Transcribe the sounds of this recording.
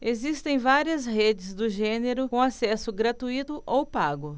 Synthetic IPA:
ezist̪ẽj̃vaɾiɐsɦed͡ʒɪzd̪ʊʒẽneɾʊkõasɛsʊɡɾat̪uit̪ʊʔowpaɡʊ

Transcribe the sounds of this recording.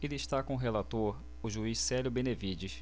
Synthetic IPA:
elɪiʃt̪akõʊɦelat̪oɾ | ʊʒuissɛljʊbẽnevid͡ʒis

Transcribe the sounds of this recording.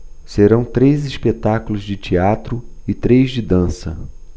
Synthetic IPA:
seɾɐ̃w̃t̪ɾejziʃpet̪akʊlʊzd͡ʒɪt͡ʃiat̪ɾʊɪt̪ɾejzd͡ʒɪd̪ɐ̃sɐ̰

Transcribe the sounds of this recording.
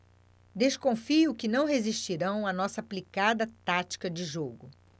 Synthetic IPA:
d̪eskõfiʊkɪnɐ̃w̃ɦeziʃt͡ʃiɾɐ̃w̃ɐnɔsɐaplikad̪ɐt̪at͡ʃi̥kɐd͡ʒɪʒoɡʊ

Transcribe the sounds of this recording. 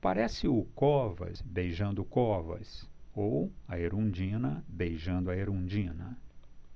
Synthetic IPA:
pa̰ɾɛsɪʊkɔvɐ̰sbejʒɐ̃nd̪ʊkɔvɐ̰sowɐeɾũd͡ʒĩnɐbejʒɐ̃nd̪ʊɐeɾũd͡ʒĩnɐ̰

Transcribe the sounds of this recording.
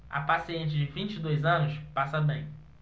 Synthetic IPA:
ɐ̰pasiẽnt͡ʃɪd͡ʒɪvĩnt͡ʃɪd̪ojzɐ̃nʊspasɐbẽj̃

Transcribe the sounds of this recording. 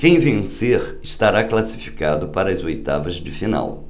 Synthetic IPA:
kẽj̃vẽseɾ | ɪst̪aɾaklasi̥fi̥kad̪ʊpaɾɐɐzojt̪a̰vɐzd͡ʒɪfina̰w

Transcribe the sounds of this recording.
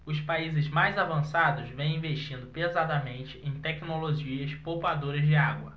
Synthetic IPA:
ʊspaizɪzmajzavɐ̃sad̪ʊzvẽj̃ĩveʃt͡ʃĩnd̪ʊpezad̪ɐmẽnt͡ʃɪʔẽj̃t̪ɛknoloʒiɐspopad̪oɾɐzd͡ʒɪaɡwɐ

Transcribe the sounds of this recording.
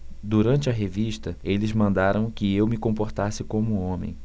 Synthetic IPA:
d̪uɾɐ̃nt͡ʃɪɐɦeviʃt̪ɐelɪzmɐ̃nd̪aɾɐ̃w̃kɪewmɪkõmpoɾt̪asɪkõmʊõmḛ̃j̃

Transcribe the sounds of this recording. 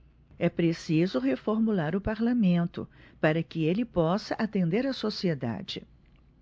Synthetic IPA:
ɛpɾesizʊɦefoɾmulaɾʊpaɾlamẽnt̪ʊ̰paɾɐkɪelɪpɔsɐʔat̪ẽnd̪eɾɐsosied̪a̰d͡ʒɪ̰

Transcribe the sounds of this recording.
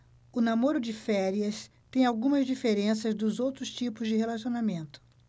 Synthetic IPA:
ʊnamoɾʊd͡ʒɪfɛɾiɐs | t̪ẽj̃awɡũmɐzd͡ʒifeɾẽsɐzd̪ʊzowt̪ɾʊst͡ʃipʊzd͡ʒɪɦelasionamẽnt̪ʊ̥

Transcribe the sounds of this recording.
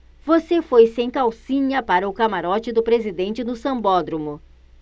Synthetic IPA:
vosefojsẽj̃kawsĩɲɐpaɾɐʊkamaɾɔt͡ʃɪd̪ʊpɾezid̪ẽnt͡ʃɪnʊsɐ̃mbɔd̪ɾumʊ

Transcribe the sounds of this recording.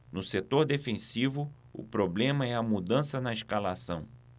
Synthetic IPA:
nʊset̪oɾd̪efẽsivʊ | ʊ̰pɾoblẽmɐɛɐmud̪ɐ̃sɐnɐeʃkalasɐ̰̃w̃

